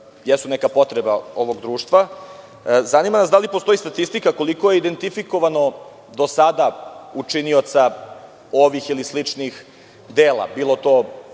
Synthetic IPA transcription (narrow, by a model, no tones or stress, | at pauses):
jesunɛkapo̞t̪ɾebao̞ʋo̞ɡd̪ɾuːʃt̪ʋa | zanimanasd̪alipost̪o̞ist̪at̪ist̪ikako̞likoje̞id̪e̞nt̪ifiko̞ʋano̞ | d̪o̞sad̪aut͡ʂiniot̪sa | oʋixilislit͡ʂnix | d̪eːlˠa̰biːlˠo̞t̪oː